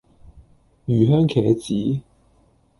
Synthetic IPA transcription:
jyː˨˩ɦœː˥ŋkʰɛː˨˩t͡siː˨˥

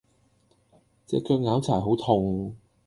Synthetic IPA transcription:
t͡sɛ̰ː˨˧kœː˧k̚ŋaː˨˥wt͡sʰaː˨˩jɦo˨˥wt̪ʰʊ˧ŋ

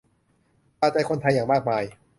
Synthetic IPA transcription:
paː˧˩t͡ɕa˧˩jkʰo˧nt̪ʰa˧jːaː˨˩ŋmaː˥˩k̚maː˧j

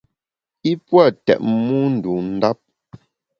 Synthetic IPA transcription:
i˦pwa˦˨tɛ̰˨ʔ̚mu˦n̩˨du˨n̩˦da˦p̚

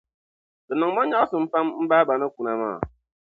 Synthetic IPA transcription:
kə˨nɔ˨ŋmɔ˦ɲa˦sɨ˨m̩˦pa˦m˦m̩˦ba˦ba˨nə˦ku˨na˨ma̰ː˦˨

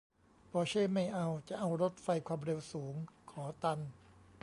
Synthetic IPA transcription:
pʰɔː˧t͡ɕʰaː˥˩ma˥˩jʔa˧wt͡ɕa˨˩ʔa˧wɾo˦˥t̪̚fa˧jkʰwaː˧mɾe˧wsuː˩˦ŋkʰɔː˩˦t̪a˧n

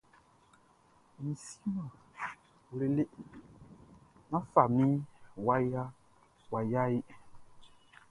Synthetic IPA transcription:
mĩ˨si̥˦mã˨ | wle˨le˦ | nã˦fa˨mĩ˦wa˦ja˦ | wa˨ja˦i˦

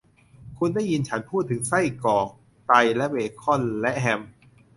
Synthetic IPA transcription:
kʰu˧nda˥˩ji˧nt͡ɕʰa˦˥npʰuː˥˩t̪ʰːɯ˩˦ŋsa˥˩jkɔː˨˩k̚ | t̪a˧jlɛ˦˥ʔweː˨˧˩kʰɔ˥˩˨nlɛ˦˥ʔɦɛ˧m

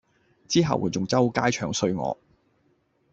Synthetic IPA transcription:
t͡siː˥ɦɐ̰˨wuː˨˧jt͡sʊ˨ŋt͡sɐ˥wkaː˥jt͡ʃʰœː˨˧ŋsɵ˧ɥŋɔ̰ː˨˧

